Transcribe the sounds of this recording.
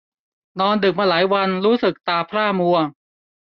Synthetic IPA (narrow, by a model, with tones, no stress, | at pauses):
nɔː˧ndɯ˨˩k̚maː˧laː˩˦jwa˧nɾuː˦˥sɯ˨˩k̚t̪aː˧˩pʰɾaː˥˩mu˧ɐ